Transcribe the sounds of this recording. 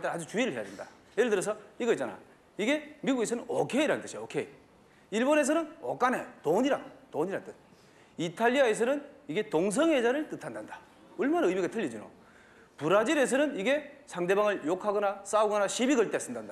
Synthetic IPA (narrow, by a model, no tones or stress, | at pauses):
t͈ead͡ʑut͡ɕuiɾɯɭɦejadenda̰ | jeɾɯɭtɯɾʌs̬ʰʌiɡʌit͡ɕ͈ana̰ | iɡe̞miɡuɡe̞sʰʌnɯnokʰe̞iɾant͈ɯɕʰiokʰei | iɭbone̞s̬ʌnɯno̰k͈anetoɲiɾatoɲiɾannt͈ɯ | itʰaʎːiae̞s̬ʰʌnɯniɡe̞toŋs̬ʰʌŋɦe̞d͡ʑaɾɯɭt͈ɯtʰandandḁ | ʌɭmanaɯmiɡatʰɯʎːid͡ʑino̰ | puɾad͡ʑiɾe̞s̬ʰʌnɯniɡe̞sʰaŋde̞baŋɯɭjokʰaɡʌnas͈auɡʌnaɕʰibiɡɯɭt͈es͈ɯndanda